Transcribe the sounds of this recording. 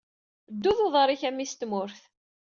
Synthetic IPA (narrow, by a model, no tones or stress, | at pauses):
d̪ːuðoðˤəɾˤiçæmːist̪mʊɾθ